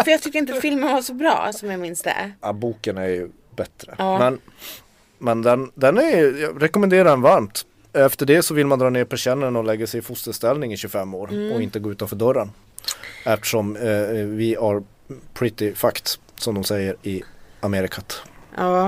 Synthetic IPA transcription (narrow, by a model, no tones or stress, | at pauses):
fœɾjɑt̪ʰʏk̚t̪ɾɪnt̪afɪlmənvaʂɔbɾɑ̰ːsɔmjɑmɪnsd̪ɛ̰abuːkənæɾjɵ | bɛt̪ɾəmɛn | mɛnd̪ɛnd̪ɛnæɾjɵjɑːɾɛkɔmɛnd̪eːɾaɖɛnvaɾmt̪ | ɛft̪əɖɛsɔvɪlːmand̪ɾɑːneːɾpʰæʂɛnːənɔlɛɡːasɛjfʊst̪əst̪ɛlnɪŋɪɕɵfɛmːoːɾɔɪnt̪əɡoːʉ̟ːt̪anfœːɖœɾːən | ɛft̪ə̥ʂɔmvɪhaɾ | pʰɾɪt̪ɪfakt̪ | sɔmd̪ɔmsɛjːəɾɪameːɾɪkʰat̪ː